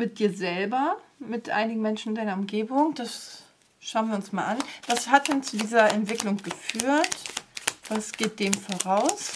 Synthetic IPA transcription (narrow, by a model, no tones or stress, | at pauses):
mɪt̚d̥iːɐzɛlbɐmɪtʔa̰ɪnɪɡŋ̩mɛnʃn̩ɪndaɪnɐʊmɡeːbʊŋd̥as | ʃaʊənviɐʊnsmaːlʔanv̥ashat̚d̥ɛnt͡sudiːzɐɛntv̥ɪklʊŋɡ̥əfyːɐtv̥asɡ̥eːt̚d̥eːmfoːʁaʊs